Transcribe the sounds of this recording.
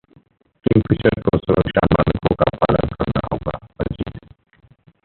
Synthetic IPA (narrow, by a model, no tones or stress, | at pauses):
kɪmfɪt͡ʃəɾkosʊɾəkʃamaːnəkõkapaːlənkɐɾnaɦoːɡaːɐld͡ʒiːd̪